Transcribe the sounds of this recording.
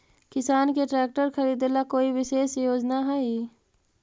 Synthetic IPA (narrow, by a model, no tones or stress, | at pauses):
kɪsaːnkeʈɾɛːk̚ʈəɾxʰɐɾiːd̪elːakoːiʋɪʃeːʃjoːd͡ʒnaɦɛi